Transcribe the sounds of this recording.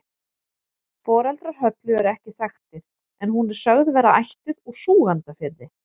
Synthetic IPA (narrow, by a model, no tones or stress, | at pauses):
fɔːɾalt̪ɾaɾ̥hœt̪lʏɛɾɛhcɪsaxt̪ɪɾ̥ | ɛnɦunɛɾ̥sœɣðvɛːɾaajht̪ʏðuɾ̥suːɣant̪afɪɾðɪ